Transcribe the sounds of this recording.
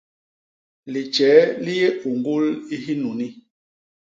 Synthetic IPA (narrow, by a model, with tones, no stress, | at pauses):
li˨t͡ʃɛː˨˦li˦je˦u˨ŋɡu˦li˦ɦi˦nu˨ni˦